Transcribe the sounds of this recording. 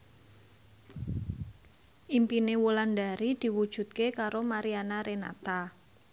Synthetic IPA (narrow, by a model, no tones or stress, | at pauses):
ʔimpinewulanda̤ɾid̪̥i̤wud̥ʒ̥ṳt̪̚kekaɾomaɾianaɾʔena̰t̪a